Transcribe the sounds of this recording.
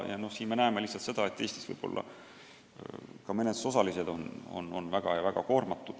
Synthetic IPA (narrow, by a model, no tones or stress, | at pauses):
jɑno̞hsiːnme̞næeme̞lihsɑlt̪sed̪̥ɑe̞t̪ːˑe̞ːsʲt̪i̥svɤ̰jb̥o̞̰lːʔɑ̰ | kɑmene̥so̞sɑlise̞d̪̥o̞no̰no̞nvæɡ̥ɑjɑvæɡ̥ɑko̞ːrmɑt̪ːˑud̪̥